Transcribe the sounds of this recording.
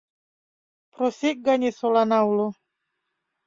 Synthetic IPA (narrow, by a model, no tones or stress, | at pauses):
pɾosek̚ɡaɲisolanaulo